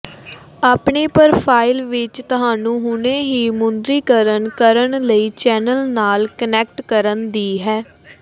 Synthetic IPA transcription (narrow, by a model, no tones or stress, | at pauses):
aːpɳeːpəɾpʰaːɪlʋɪt͡ʃt̪ʊɦaːnũːɦʊɳeːɦiːmʊnd̪ɾiːkəɾəɳkəɾəɳləiːt͡ʃɛːnəlnaːlkənɛːk̚ʈkəɾənd̪iːɦɛː